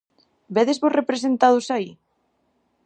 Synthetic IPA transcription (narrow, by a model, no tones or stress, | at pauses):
beðezβosrepɾes̬ent̪að̞osai